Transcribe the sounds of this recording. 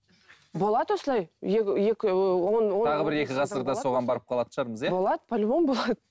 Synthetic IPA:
bo̞lˠɑd̪wo̞səlˠɑjjeje̞kʲɪwonwot̪ʰɑʁəbɪɾe̞kʲɪʁɑsəɾd̪ɑso̞ʁɑnbɑɾəp̚qʰɑlˠɑd̪əʃɑɾməzjebo̞lˠɑd̪əpʰolʲbo̞nbolˠɑd̪ə

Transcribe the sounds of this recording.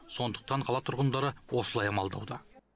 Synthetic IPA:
so̞nd̪əq̚t̪ɑɴqʰɑlˠɑt̪ʰʊɾʁənd̪ɑɾəwosəlˠɑjɑmɑlˠd̪ɑwd̪ə

